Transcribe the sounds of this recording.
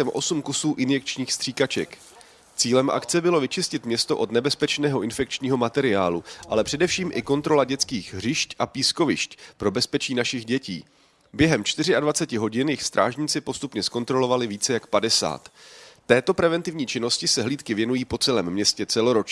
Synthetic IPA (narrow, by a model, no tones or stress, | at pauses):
ɛmʔo̞̰sumkusuːʔɪnjɛk̚t͡ʃɲiːxst̪r̝̥iːkat͡ʃɛ̰k | t͡siːlɛmʔa̰kt͡sɛbɪlo̞vɪt͡ʃɪscɪt̪mɲɛst̪o̞ʔo̞t̪nɛbɛspɛt͡ʃnɛːɦo̞ʔɪnfɛk̚t͡ʃɲiːɦo̞mat̪ɛɾɪaːluʔalɛpr̥ɛdɛfʃiːmʔɪko̞nt̪ɾo̞laɟɛt͡skiːxɦr̝ɪʃcʔapiːsko̞vɪʃcpɾo̞bɛspɛt͡ʃiːnaʃɪɣɟɛcḭː | bjɛɦɛmt͡ʃt̪ɪr̝ɪadvat͡sɛcɪɦo̞ɟɪnjɪxst̪ɾʔa̰ːʒɲit͡sɪpo̞st̪upɲɛsko̞nt̪ɾo̞lo̞valɪviːt͡sɛjakpadɛsa̰ːt̪ːɛːt̪o̞pɾɛvɛnt̪ɪvɲiːt͡ʃɪno̞scɪsɛɦliːt̪kɪvjɛnujiːpo̞t͡sɛlɛːmːɲɛscɛt͡sɛlo̞ɾo̞t͡ʃ